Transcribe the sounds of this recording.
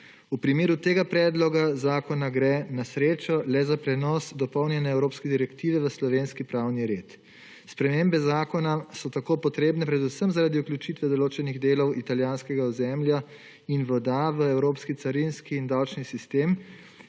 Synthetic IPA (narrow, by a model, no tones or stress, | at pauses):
upɾimeːɾut̪eːɡapɾɛːd̪lɔɡazaːkɔnaɡɾɛːnasɾeːt͡ʃɔlɛzapɾɛnɔsd̪ɔpɔwnjɛnɛɛwɾoːpskɛd̪iɾɛkt̪iːʋɛʋəslɔʋeːnskipɾawniɾeːt̪ | spɾɛmeːmbɛzaːkɔnasɔt̪akoːpɔt̪ɾeːbnɛpɾɛd̪usəmzaɾad̪iuklʲjut͡ʃit̪ʋɛd̪ɔloːt͡ʃɛniɣd̪eːlɔwit̪aljaːnskɛɡauzɛmlja | inʋɔd̪aʋəɛwɾoːpskit̪saɾinskiːnd̪awt͡ʃnisist̪eːm